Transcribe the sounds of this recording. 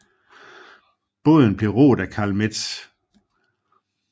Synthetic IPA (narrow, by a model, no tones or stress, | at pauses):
b̥ɔð̰ˠn̩b̥le̝ʁo̰ːd̥ækʰɑ̈ːlmed̥s